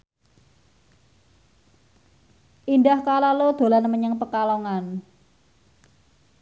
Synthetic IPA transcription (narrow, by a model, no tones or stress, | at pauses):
ʔindahkalalod̪̥o̤lanməɲəŋpəkaloŋan